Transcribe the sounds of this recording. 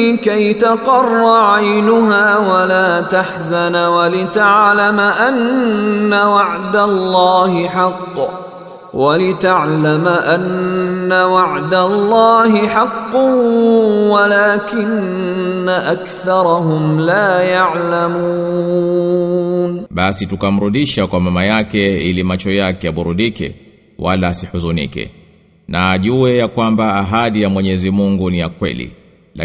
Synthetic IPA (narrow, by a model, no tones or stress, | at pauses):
lɪkajt̪ɑqɑrˤːɑʕajnʊɦaːwalaːt̪aħzanwalɪt̪aʕlamʔanː | awɑʕd̪alːaːhɪħɑqː | walɪt̪aʕlamʔanːawaʕd̪alˤːaːhɪħɑqː | walaːkɪnː | aʔakθɑɾˤhʊmlaːjaʕlamuː | nɓasitukam̩ɾuɗiʃakwamamajakɛilimat͡ʃɔjakɛaɓuɾuɗikɛ̰ | walaːsihuzunḭkɛ̰ | naːʄuɛjakwambaːɦaɗijamwɛɲɛzimuŋɡuniakwɛ̰lḭ | la̰